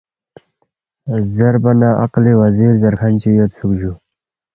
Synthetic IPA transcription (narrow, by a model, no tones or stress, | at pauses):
zaɾbanaʔa̰qliwaziɾzaɾxant͡ʃijot̪sukʒu